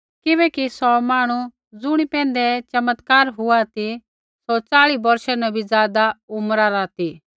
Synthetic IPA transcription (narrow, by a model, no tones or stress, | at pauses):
kɪβɛːkisɔmaːɽ̃u | d͡zʊɽ̃ipɛ̃ːn̆d̪ɛt͡ʃɐmət̪kaːɾɦʊat̪i | sɔt͡saːɭibɐɾʃɛnɐbʱid͡zjaːd̪aʊmɾaɾat̪i